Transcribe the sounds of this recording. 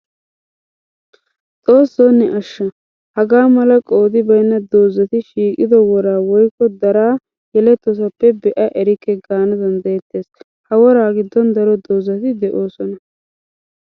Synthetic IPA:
t͡sʼo̞ːsːoːnːɪʔɐʃːɐ | hɐɡaːmɐlɐkʼo̞ːd̪ɪbɐjnːɐd̪o̞ːzːɐt̪ɪʃiːkʼɪd̪ɔwɔɾaːwɔjkːɔd̪ɐɾaː | jɛlɛt̪ːɔs̬ɐpːɛbɛʔɐʔɛɾɪkːɛɡaːnɐd̪ɐnd̪ɐjɛt̪ːe̞ːs | hɐwɔɾaːɡɪd̪ːɔnd̪ɐɾɔd̪o̞ːzːɐt̪ɪd̪ɛʔo̞ːsɔnɐ

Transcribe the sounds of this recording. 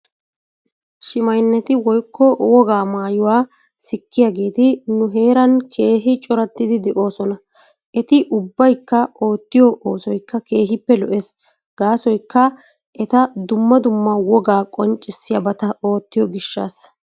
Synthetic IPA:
ʃɪmɐjnːɛt̪ɪwɔjkːɔwɔɡaːmaːjʊwaː | sɪkːɪjaːɡe̞ːt̪ɪnʊɦe̞ːɾɐnkʰe̞ːɦɪt͡ʃʼɔɾɐt̪ːɪd̪ɪd̪ɛʔo̞ːsɔnɐ | ʔɛt̪ɪʔʊbːɐjkːɐo̞ːt̪ːɪjɔʔoːsɔjkːɐke̞ːɦɪpːɛlɔʔes | ɡ̥aːsɔjkːɐ | ʔɛt̪ɐd̪ʊmːɐd̪ʊmːɐwɔɡaːkʼɔnt͡ʃʼːɪsːɪjɐbɐt̪ɐo̞ːt̪ːɪjɔɡɪʃːa̰ːs

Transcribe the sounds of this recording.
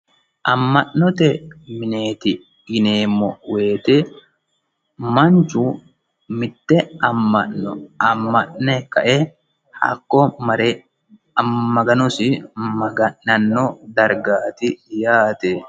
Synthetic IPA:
ʔɐmːɐʔnːɔt̪ɛmɪneːt̪ɪ | ɡɪneːmːɔwe̞ːt̪ɛ | mɐnt͡ʃʊ | mɪt̪ːɛɐmːɐʔɔɐmːɐʔnɛkɐ̰ʔɛ | hɐ̰kːɔɐ | ɐɡɐnɔsɪmɐɡɐɐnːɔd̪ɐɾɡaːt̪ɪjaːt̪ɛ

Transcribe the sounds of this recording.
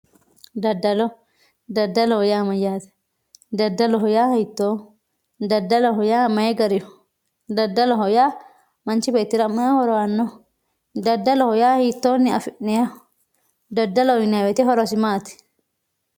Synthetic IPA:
d̪ɐdːɐlɔ | d̪ɐdːɐlɔhɔjaːmɐjaːt̪ɛ̥ | d̪ɐdːɐlɔɦɔjaːɪt̪ːoː | d̪ɐdːɐlɔɦɔjaːmɐjɛɡɐɾɪɔ | d̪ɐdːɐlɔɦɔjaː | mɐnt͡ʃɪbet̪ːɪɾɐmɐhɔɾɔwanːɔ | d̪ɐdːɐlɔhɔjaːhit̪ːoːnːɪɐfɪnːɛja | d̪ɐdːɐlɔɪnawɛt̪ɛɦɔɾɔsɪmaːt̪ɛ̥

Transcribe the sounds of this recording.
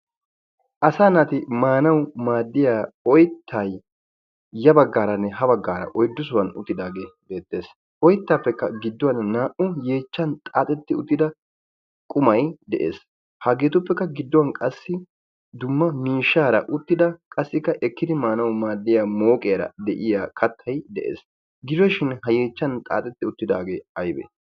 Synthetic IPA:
ʔɐsaːnaːt̪ɪmaːnɐwmaːd̪ːɪjaːɔjt̪ʰːaj | jɐbɐɡːaːɾɐnːɛɦɐbɐɡːaːɾɐ̰ʔɔjd̪ːʊs̬ʊwɐnʊ̰t̪ːɪd̪aːɡe̞ːbe̞ːt̪ːe̞ːs | ʔɔjt̪ːaːpːɛkːɐɡɪd̪ːɔwɐnːaːʔʊje̞ːt͡ʃːɐnt̪ʼaːt̪ʼɛt̪ːɪʊt̪ːɪd̪ɐ | kʼʊmɐjd̪ɛʔḛːs | haɡe̞ːt̪ʊpːɛkːɐɡɪd̪ːɔwɐnkʼɐsːɪ | d̪ʊmːɐmiːʃːaːɾɐ̰ʔʊt̪ːɪd̪ɐkʼɐsːɪkːɐʔɛkːɪd̪ɪmaːnɐwmaːd̪ːɪjaːmo̞ːkʼɛjɐɾɐ̰d̪ɛʔɪjaːkʰɐt̪ʰːɐjd̪ɛ̰ʔḛːs | ɡɪd͡ʒɔʃɪnhɐje̞ːt͡ʃːɐnt̪ʼa̰ːt̪ʼɛt̪ːɪʊt̪ːɪd̪aːɡe̞ːɐjbḛː

